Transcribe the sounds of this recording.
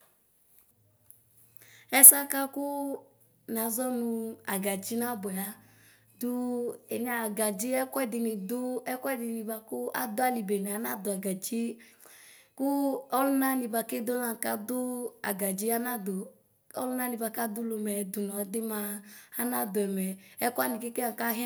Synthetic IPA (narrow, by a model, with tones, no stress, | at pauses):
ɛ˦sa˦ka˦kʊ˦ | na˨˦zɔ˦nʊ̃˧a˨ɡa˨d͡ʒi˦na˦bʊ˨ɛ˨a˨ | dʊ˦ɛ˨ɲa˨ɡa˨d͡ʒi˦ɛ˦kdɪ˨nɪ˨dʊ˦ɛ˦kʷdɪ˨ni˨ba˨kʊ˦a̰˨d̪ʊ˦a˨li˨be˨n˨a˨˦na˦d̪ʊ˨a˨ɡa˨d͡ʒi˦ | ku˦ɔ˦lu˦na˦ni˧ba˧ke˦do˦na˦˨ka˦dʊ˦a̰˨ɡa˨d͡ʒi˦a˦na˦do˨ | ɔ̰˦lu˦na˦ni˧ba˧ka˦du˦lo˨˧mɛ˨du˨nɔ˨˦de˦maː˧˦na˦dʊ˨ɛ˨mɛ˨ɛ˦ku˦a˦ni˨ke˦ke˦a˨ka˦ɦɛ˦